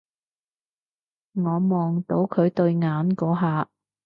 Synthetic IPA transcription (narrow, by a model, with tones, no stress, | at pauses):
ŋɔː˨˧mɔː˨ŋt̪o˨˧˥wkʰɵ˨˧ɥt̪ɵ˧ɥŋaː˨˧˥nkɔː˨˥ɦaː˨˧